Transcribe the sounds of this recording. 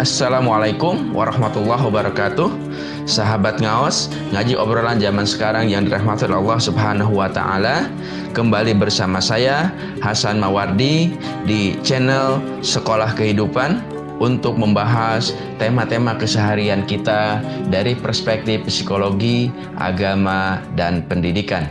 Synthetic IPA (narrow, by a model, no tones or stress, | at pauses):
ʔasːalamwalajkʊmwʔa̰ɾɑhmat̪ulːɑɦwabaɾakat̪uh | saɦabat̪̚ŋaɔs | ŋad͡ʒiʔobɾoland͡ʒamansə̥kaɾaŋjaŋdiɾaɦmat̪anɑlːɑhsubɦanaɦuwat̪a̰ʔa̰la | kəmbalibərsamasaja | hasanmawardi | dit͡ʃɛnɛl | səkolahkəɦidupan | unt̪ʊk̚məmbaɦas | t̪emat̪emakəsəɦaɾiankit̪adaɾipərspɛk̚t̪ɪfsikoloɡi | ʔa̰ɡamadanpəndidikan